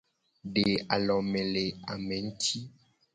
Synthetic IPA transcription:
ɖe˨a˨lɔ˨mɛ̃˨le˨a˨mɛ̃˨˦n̩˦tʰi˦

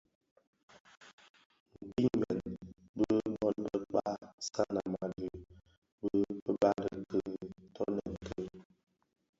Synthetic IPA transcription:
m̩˨k͡pi˦mɛ˨n | bə˦bhɔ˦n˦bə˦k͡pa˦ska˦na˨ma˨də˨ | bə˦bə˦ba˦də˨kə˦tʰɔ˦nə˨kə˦

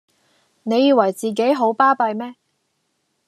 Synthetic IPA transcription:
ne˨˧jiː˧wɐ˨˩jt͡siː˨k̬e˨˥jɦo˨˥wpaː˥pɐ˧jmɛː˥

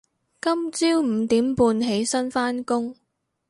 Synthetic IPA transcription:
kɐ˥mt͡siː˥wm̩˨˩t̪iː˨˥mpuː˧nɦe˨˥jsɐ˥nfaː˥nkʊ˥ŋ

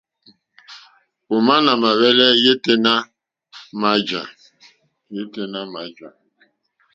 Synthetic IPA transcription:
o˨ma˦na˨ma˨βe˦le˦je˦te˦na˦ | ma˨˦d͡ʒa̰˨ | je˦te˨na˦ma˨d͡ʒa˨

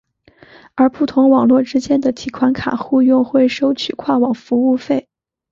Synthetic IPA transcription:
ə˞˧˥pu˥˩t̪ʰʊ˧˥ŋwɑ˨˩ŋlwɔ˥˧ʈ͡ʂɻ̩˥t͡ɕjɛ˥nd̪ə˨t̪ʰi˨˩kʰwa˧˥nkʰa̰˨˩xu˥˧jʊ˥˧ŋxwe˥˩ɪʂo˥ʊt͡ɕʰy˨˩kʰwɑ˥˩ŋwɑ˨˩ŋfu˧˥u˥˧fe˥˩ɪ

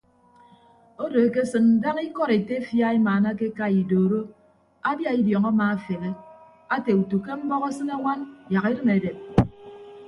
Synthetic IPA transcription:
o˦do˨e˨ke˦sɨ˨n̩˨˦da˦ŋi˦kɔ˦ɾe˨te˦fja˦i˦maː˨na˦ke˦ka˦i˨doː˨ɾo˦ | a˦dja˦i˦djɔ˨ŋa˦maː˨a˦fe˨ɣe˦ | a˦te˨u˨tu˨ke˦m̩˦bɔ˦ɣa˦sɨ˦ne˦ŋʷa˦n˨ja˨ɣi˦ɾɨ˦me˨de˨p̚

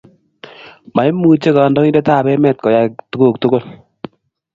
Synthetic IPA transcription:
ma˨jmuː˨t͡ʃe˦ka˨ndɔ˦ŋi˦dɛ˦taː˦˨bɛ˦mɛ˦t̚kɔ˨ja˦ktu˦ɡo˦˨k̚tʊ˦ɡo˦l

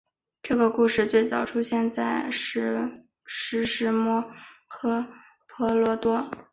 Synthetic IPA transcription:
ʈ͡ʂɤ˥˩ɡə˩ku˥˧ʂɻ̩˥˧t͡swe˥˩ɪt͡sɑ˥˩ʊʈ͡ʂʰu˥ɕjɛ˥˧nt͡sa˥˩ɪʂ̩˥˩ | ʂɻ̩˧˥ʂɻ̩˧˥mwɔ˥˩xɤ˥ | pʰɔ˧˥lwɔ˧˥t̪wɔ˥

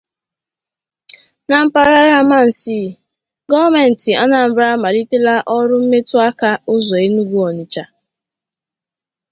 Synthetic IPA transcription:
na˨m̩˦pa˦ɾa˦ɾa˦ma˦˨n̩˨siː˦˨ | ɡɔ˦me˨n̩˨tɪ˨ʔa˦na˨m̩˨ba˦ma˨li˦te˦la˦ʔɔ˦ɾʊ˦m̩˦me˦tʊ˦a˦ka˦ʊ˦zɔ˨e˦nu˦ɡu˦ɔ˨ɲɪ˨t͡ʃa˨

